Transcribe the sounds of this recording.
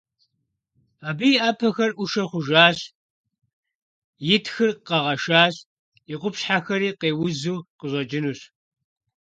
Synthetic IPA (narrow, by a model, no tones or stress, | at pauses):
aːbijʔaːpʰɐxɐrʔʷuʃɐχʷʊʒaːɕ | jɪtʰxɨrqɐʁɐʃaːɕ | iqʷʊpɕħaxɐɾiːqeːwʊzuːqəʑʷɐd͡ʒɪnuːɕ